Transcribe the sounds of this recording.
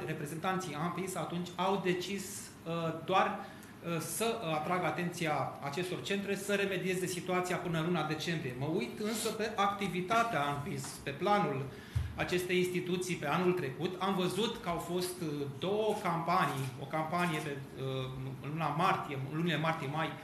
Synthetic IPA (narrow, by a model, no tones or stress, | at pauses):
re̞pɾe̞ze̞nt̪ant̪sijampinsat̪unt͡ʃʲawd̪e̞t͡ʃis | d̪oar | səat̪ɾaɡat̪e̞nt̪sijaːt͡ʃe̞st̪o̞rt͡ʃe̞nt̪ɾe̞səɾe̞me̞d̪ie̞ze̞sit̪uat̪sijapɨnəɨnlunad̪e̞t͡ʃe̞mbɾije̞məujt̪ɨnsəpe̞ʔakt̪ivit̪at̪eaampinspe̞planul | at͡ʃe̞st̪e̞jinst̪it̪ut̪sijpe̞anult̪ɾe̞kut̪amvəzut̪kəawfo̞st̪d̪o̞wəkampanijo̞kampanijepe | lunamart̪ijenlunilemart̪ijemaj